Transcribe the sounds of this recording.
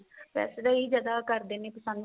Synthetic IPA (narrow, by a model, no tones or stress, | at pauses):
pɛ̰ːseːd̪aːiːd͡ʒaːd̪aːkəɾd̪eːneːpəsə̃nd̪